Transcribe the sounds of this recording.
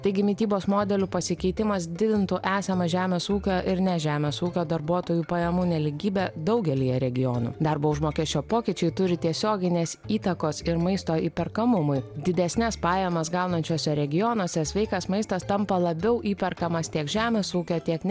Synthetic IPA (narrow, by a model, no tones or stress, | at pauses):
t̪ɐɪɡʲɪmʲɪt̪ʲiːboːsmoːd̪ʲɛlʲuːpɐsʲɪkʲɛɪt̪ʲɪmɐsd̪ʲɪd̪ʲɪnt̪ʊʔæːsɐmɐʒʲæːmʲeːsuːkʲoːʔɪɾnʲɛʒʲæːmʲeːsuːkʲoːd̪ɐɾbuɔt̪oːjuːpɐjɛmuːnʲɛlʲɪɡʲiːbʲɛd̪ɐʊɡʲɛlʲijɛɾʲɛɡʲɪjoːnṵd̪ɐɾboːʊʒmoːkʲɛːsʲt͡ʃʲoːpoːkʲɪt͡ʃʲɛɪt̪ʊɾʲɪt̪ʲiɛsʲoːɡʲɪnʲeːsiːt̪ɐkoːsɪɾmɐɪst̪oːiːpʲɛɾkɐmʊmʊɪd̪ʲɪd̪ʲɛsʲnʲɛspɑːjɛmɐsɡɐʊnɐnʲt͡ʃʲoːsʲɛɾʲɛɡʲɪjɔnuɔsʲɛsʲʋʲɛɪkɐsmɐɪst̪ɐst̪ɐmpɐlˠɐbʲɛʊʔiːpʲɛɾkɐmɐst̪ʲiɛkʒʲæːmʲeːsuːkʲoːt̪ʲiɛknʲ